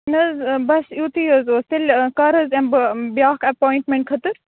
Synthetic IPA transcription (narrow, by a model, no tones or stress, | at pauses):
nɐzbɐsjut̪ijəzoːst̪elʲkɐɾɐzembbjaːkɐpoːjɳʈmẽɳʈ̚kʰɐt̪ɨɾ